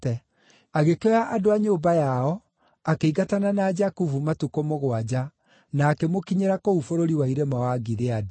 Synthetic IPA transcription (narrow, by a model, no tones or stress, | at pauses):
ɛ | aɣekeɔjaʔadoaɲoːmbajaɔ | akeiɣatananaːd͡ʒakufumatukomoɣwad͡ʑa | naːkemokiɲeɾakoufoɾoɾiwaiɾemawaɡiðeade